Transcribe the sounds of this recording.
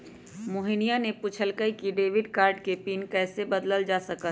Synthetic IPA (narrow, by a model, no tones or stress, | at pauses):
moɦinijanepʊt͡ʃʰəlkəikiɖeːʋɪɖkaːɾɖkepiːnkɛːsebəd̪ləld͡ʒaːsəkə